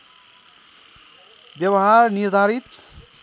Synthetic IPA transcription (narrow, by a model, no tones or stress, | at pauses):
bjʌwɦaɾniɾd̪ʱaɾit̪